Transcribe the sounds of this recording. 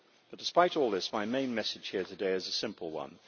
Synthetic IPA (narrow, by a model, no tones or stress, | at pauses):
b̥ʌt̚d̥ɪspaɪɾɔːlˠðɪsmaɪmẽɪ̃nmɛsɨd̥ʒ̥hɪəɹtʰɨdeɪɨzəsɪ̃mpʰəlˠwʌ̰̃n